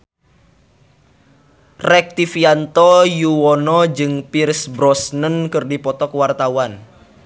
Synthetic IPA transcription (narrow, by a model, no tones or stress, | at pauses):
rɛk̚t̪ifiant̪ɔjuwɔnɔd͡ʒɨŋpirsbɾɔsnənkɨrdipɔt̪ɔkwart̪awan